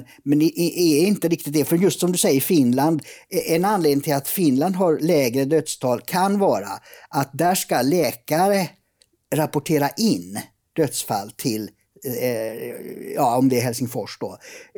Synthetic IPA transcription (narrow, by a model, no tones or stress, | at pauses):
mɛnd̪ɛʔɪʔɛɪnt̪əɾɪkt̪ɪt̪̚d̪ɛfœɾjɵst̪sɔmd̪ɵsɛjːəɾɪfɪnland̪ɛnanleːd̪nɪŋt̪ɪlat̪fɪnland̪ɦaɾlɛːɡɾəd̪œt̪st̪ʰɑːlkʰanvɑːɾa̰ʔat̪̚d̪æʂkalɛːkaɾə | ɾapʊʈʰeːɾaʔɪnː | d̪̥œt̪sfa̰lːt̪ʰɪl | jɑːɔmd̪ɛɛɾɦɛlsɪŋfɔʂd̪ɔ